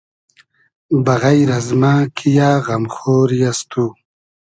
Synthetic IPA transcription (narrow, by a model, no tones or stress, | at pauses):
baɣajɾazmaːkʰijaːɣamxoːɾjast̪u